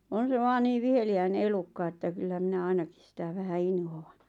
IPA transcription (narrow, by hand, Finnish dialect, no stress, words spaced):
on̞ se ʋɑːn niːʋ̆ ʋiheliæine elukːɑ etːæ kylːæ minæ ɑinɑkis sitæ ʋæhæ inhoˑɑn